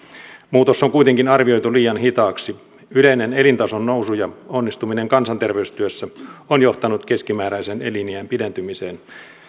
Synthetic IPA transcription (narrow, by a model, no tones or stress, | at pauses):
muːt̪osːoŋkuit̪eŋkinɑrʋio̞it̪uliːjɑnhit̪ɑːksi | yleinenelint̪ɑsonnousujɑonːist̪umineŋkɑnsɑnt̪erʋeyst̪yøsːæonjoht̪ɑnut̪keskimæːɾæiseneliniæmpident̪ymiseːn